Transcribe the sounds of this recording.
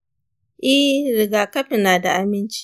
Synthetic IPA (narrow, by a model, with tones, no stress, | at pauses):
ʔɪ˦hɾɪ˨ɡaː˨kɐ˦ɸɪ˨naː˨da˨ʔa˨mɪ˦nt͡ʃi̥˦